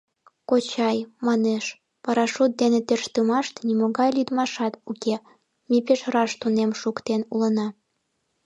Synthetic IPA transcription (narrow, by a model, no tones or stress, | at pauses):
kot͡ɕɑjmɑneʃ | pɑɾɑʃut̪̚d̪enet̪erʃt̪əmɑʃt̪nimoɣɑjlyd̪mɑʃɑt̪uke | mʲep̬eʃrɑʃt̪unemʃukt̪enulənɑ